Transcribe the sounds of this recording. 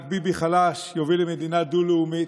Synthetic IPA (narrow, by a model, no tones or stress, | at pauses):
k̚bibiχalaʃjovilemed̪inad̪uleumit̪